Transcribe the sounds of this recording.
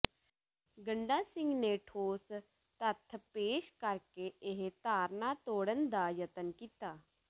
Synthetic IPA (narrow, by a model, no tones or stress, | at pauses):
ɡəɳɖaːsɪ̃ŋɡneʈʰoːs | t̪ət̪ʰpeːʃkəɾkeʔɪɦt̪aːɾnat̪oːɽənd̪aːjət̪ənkit̪aː